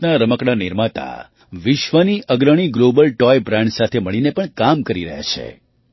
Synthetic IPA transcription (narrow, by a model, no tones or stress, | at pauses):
naɾəməkɽaniɾmat̪a̰ | ʋɪʃʋəniʔʔəɡɾəɽ̃iɡlobəlʈɔjbɾãɳɖsat̪ʰeməɭinepəɳkamkəɾiɾəɦja̰t͡ʃʰḛ